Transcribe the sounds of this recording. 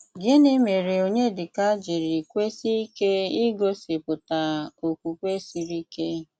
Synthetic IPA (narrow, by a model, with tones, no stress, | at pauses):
ɡɪ˦nɪ˦me˨ɾe˨o˨ɲe˦dɪ˨ka˦d͡ʒi˨ɾi˨kʷe˦si˦i˦ke˦i˦ɡo˦sɪ˨pʊ˨ta˨o˨kʷu˨kʷe˦si˨ɾi˦ke˦